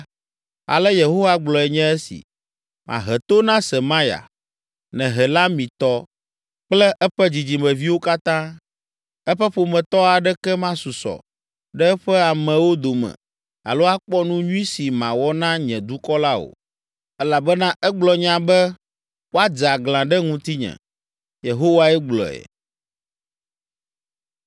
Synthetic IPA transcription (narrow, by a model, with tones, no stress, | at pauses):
a̰˨lɛ˦je˨ɦo˦wa˦ɡ͡blɔ˨ɛ˨ɲɛ̃˦ɛ˦sḭ˨ | mʔã̰˨ɦɛ˨t̪o˦nã˦sɛ˨mã˦ja̰˨ | nɛ̃˨ɦɛ˨la˦mĩ˨t̪ɔ˦ | k͡plɛ˦ʔɛ˦ɸɛ˦d͡ʑi˨d͡ʑi˨mɛ̃˨vi˦wo˦ka˦t̪ã˦ | ɛ˦ɸɛ˦ɸo˨mɛ̃˨t̪ɔ˦a˨ɖɛ˦kɛ˦mã˦su˨sɔ̰˨ | ɖɛ˦ɸɛ˦a˨mɛ̃˨wo˦d̪o˨mɛ̰̃˨ | a̰˨lo˦a˦k͡pɔ˦nũ˦ɲũ˦ĩ˦si˨mã˨wɔ˦nã˦ɲɛ̃˨d̪u˦kɔ˦la˦o̰˨ | ɛ˦la˨bɛ˦nã˦ʔɛ˦ɡ͡blɔ˨ɲã˨bɛ˦ | wo˦a˦d͡za˨ɡlã˨ɖɛ˦ŋũ˦t̪i˦ɲɛ̰̃˨ | je˨ɦo˦wa˦ɛ˦ɡ͡blɔ̰˨ɛ̰˨